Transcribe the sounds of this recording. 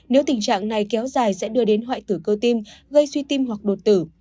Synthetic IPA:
ne˨˦wt̪ï˨˩ŋt͡ɕa̰ː˧˨ŋna˨˩jkɛ˨˦wzaː˨˩jsɛ̰˧˥ɗɨ˧əɗe˨˦nɦwa̰ː˧˨jt̪ɨ˧˩kə˧wt̪i˧mɣə˧jswi˧t̪i˧mɦwa˨˩k̚ɗo˨˩t̚t̪ɨ˧˩

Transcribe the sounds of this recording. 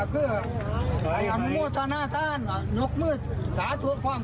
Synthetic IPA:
kʰɯː˧˩ | a˧˩ja˨˩m˧˦muː˥˩t̪ʰaː˧naː˥˨t̪ʰaː˥˩˨n˧˩no˧˥k̚mɯː˥˩t̪̚ | saː˨˦t̪ʰu˨˦əkʰwaː˧˩˨m

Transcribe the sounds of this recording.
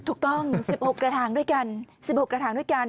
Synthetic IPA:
t̪ʰu˨˩k̚t̪ɔ˧ŋs̚i˨˩p̚ho˨˩kaː˧˩t̪ʰaː˨˦ŋɗu˧˦jka˧˩nsi˨˩p̚ho˨˩kaː˧˩t̪ʰaː˨˦ɗu˧˥˦jka˧˩n

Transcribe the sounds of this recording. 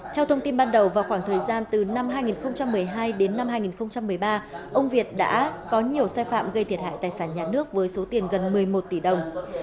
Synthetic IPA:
t̪ʰɛ˧wt̪ʰə˧wŋ͡mt̪i˧nɓaː˧nɗə˨˩wvaː˨˩wxwaː˧˩ŋt̪ʰəː˨˩jzaː˧nt̪ɨ˨˩na˧mɦaː˧jŋi˨˩nxə˧wŋ͡mt͡ɕa˧mːɨ˨˩əjɦaː˧jɗe˨˦nːa˧mhaː˧jŋi˨˩nxə˧wŋ͡mt͡ɕa˧mːɨ˨˩əjɓaː˧ʔə˧wŋ͡mvi˨˩ət̚ɗa̰ː˧˥kɔ˨˦ɲi˨˩əwsaː˧jfa̰ː˧˨mɣə˧jt̪ʰi˨˩ət̚ɦa̰ː˧˨t̪aː˨˩jsaː˧˩nɲaː˨˩nɨ˦˥ək̚vəː˨˦jso˨˦t̪i˨˩ənɣə˨˩nmɨ˨˩əjmo˨˩t̚t̪i˧˩ɗə˨˩wŋ͡m

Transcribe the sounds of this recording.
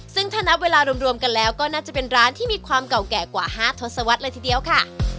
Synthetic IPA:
sɯ˥˩ŋt̪ʰaː˥˩na˦˥p̚weː˧laː˧ɾu˧əmɾu˧əmka˧nlɛː˦˥wkɔː˥˩naː˥˩t͡ɕa˨˩pe˧nɾaː˦˥nt̪ʰiː˥˩miː˧kʰwaː˧mka˨˩wkɛː˨˩kwaː˨˩haː˥˩t̪ʰo˦˥t̪̚sa˧wa˦˥t̪̚lɤː˧jt̪ʰiː˨˧di˧əwkʰa˥˩

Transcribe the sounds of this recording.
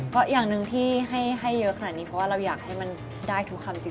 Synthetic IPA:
kɔː˥˩jaː˨˩ŋnɯ˨˧ŋt̪ʰiː˥˩ɦa˥˩jɦa˥˩jːɤ˦˥ʔʰkʰa˧naː˨˩t̪̚iː˧pʰɔ˦˥waː˥˩ɾa˧wjaː˨˩k̚ha˥˩jma˧n | daː˥˩jt̪ʰu˦˥kʰːa˧mt͡ɕi˧˩

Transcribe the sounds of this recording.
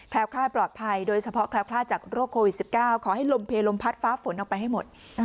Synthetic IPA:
kʰlɛː˦˥wkʰlaː˥˩plɔː˨˩t̪̚pʰa˧jdoː˧jt͡ɕʰa˧pʰɔ˦˥kʰlɛː˧˥wkʰlaː˥˩t͡ɕaː˨˩k̚ɾoː˥˩kʰːoː˧wi˨˩t̚si˨˩p̚kaː˥˩wkʰɔː˩˦ha˥˩jlo˧mpʰeː˧lo˧mpʰa˦˥t̪̚faː˦˥fo˩˦nʔɔː˨˩k̚pa˧jɦa˥˩jmo˨˩t̪̚

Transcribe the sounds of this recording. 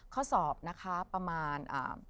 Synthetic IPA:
kʰɔː˦˥˩sɔː˨˩p̚na˦˥kʰa˦˥pɾa˧maː˧nʔa̰ː˨˩m

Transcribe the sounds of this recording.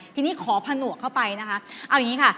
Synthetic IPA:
t̪ʰiː˧niː˦˥˩kʰɔː˩˦pʰa˧nu˨˩əkʰːa˥˩wpa˧jna˦˥kʰa˦˥ʔa˧wjŋiː˦˥kʰa˥˩

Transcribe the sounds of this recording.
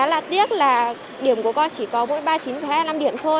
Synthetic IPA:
aː˨˦la̰ː˧˨t̪i˦˥ət̚laː˨˩ | ɗi˧˩əmku˧˩əkɔ˧nt͡ɕi˧˩kɔ˨˦mo̰˧˥jɓaː˧t͡ɕi˨˦nfɛ˨˦na˧mɗi˧˩əmt̪ʰo˧

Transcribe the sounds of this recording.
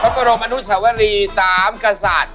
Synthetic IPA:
pʰa˦˥pa˧ɾo˧mʔa˧nu˦˥t̪̚sa˩˦wa˦˧ɾiː˧t̪aː˨˩˦mka˧sa̰ː˨˩t̪̚

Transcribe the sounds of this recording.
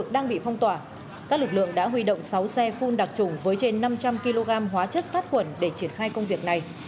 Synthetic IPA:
k̚ɗaː˧ŋɓḭ˧˨fa˧wŋ͡mt̪waː˧˩ | kaː˦˥k̚lɨ˨˩k̚lɨ̰˧˨əŋɗa̰ː˧˥ɦwi˧ɗo̰˧˨wŋ͡msa˨˦wsɛ˧fu˧nɗa˨˩k̚t͡ɕʊ˨˧˩ŋ͡mvəː˨˦jt͡ɕe˧nːa˧mt͡ɕa˧mki˧lo˧ɣaː˧mɦwaː˨˦t͡ɕə˦˥t̚saː˦˥t̚kwə˧˩nɗe˧˩t͡ɕi˧˩ənxaː˧jkə˧wŋ͡mvi˨˩ək̚na˨˩j

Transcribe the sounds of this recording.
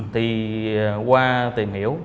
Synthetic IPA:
t̪ʰi˨˩ | kwaː˧t̪i˨˩əmhḭ˧˥əw

